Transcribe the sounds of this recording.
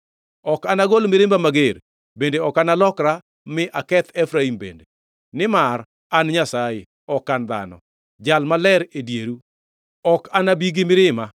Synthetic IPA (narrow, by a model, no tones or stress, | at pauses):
ɔkanaɡolmɪɾɪmbamaɡeɾ | bendeɔkanalɔkɾa | mɪʔakɛt̪ʰɛfɾaimbḛnde | nɪmar | anɲasaje | ɔkːand̪a̰nɔ̰ | d͡ʒalmalɛɾedjeɾu | ɔkanabiɡɪmɪɾɪma